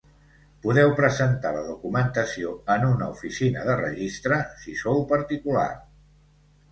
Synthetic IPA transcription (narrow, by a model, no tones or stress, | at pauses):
puðɛwpɾəzənt̪aləðukumənt̪əsioənunəufisinəðərəʒist̪ɾəsisowpəɾt̪ikula̰r